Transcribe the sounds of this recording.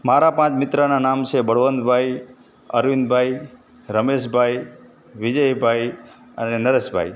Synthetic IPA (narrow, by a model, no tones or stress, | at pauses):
maɾapãt͡ʃmɪt̪ɾananamt͡ʃʰebəɽʋənd̪bʱaj | əɾʋind̪bʱaj | ɾəmeʃbʱaj | ʋid͡ʒəjbʱaj | ə̰nenəɾeʃbʱa̰j